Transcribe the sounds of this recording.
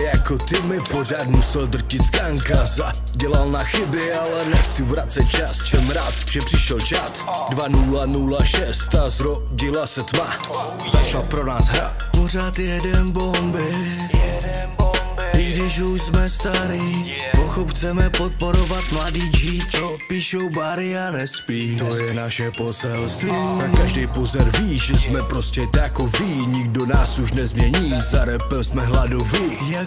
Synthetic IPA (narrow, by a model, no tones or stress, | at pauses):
jakot̪ɪmɪporaːt̪musɛld̪r̩cɪt̪skaːŋkaza | ɟɛlalnaxɪbɪalɛnɛxt͡sɪvɾat̪t͡sɛt̪̚t͡ʃassɛmɾaːt̪ʒɛpr̝̥ɪʃɛlt͡ʃaːt̪dvanulanulaʃɛst̪azɾo | ɟilasɛt̪ma | zat͡ʃlapɾonaːsɦɾa̰t̪poɾaːt̪jɛdɛnbombɪ | ɪɡdɪʃuʃsmɛst̪aɾi | poxopxt͡sɛmɛpot̪̚po̞ɾovat̪mladit͡ʃit͡so | piːʃowbaɾɪanɛspiːt̪ojɛnaʃɛpo̞sɛlst̪viːakaʒdɛjpozɛɾviːʒɛsmɛpɾoscɛt̪ajakoviɲɪɡ̚donaːsuʃnɛzmɲɛɲiːzaɾɛpɛsmɛɦladovɪ | ja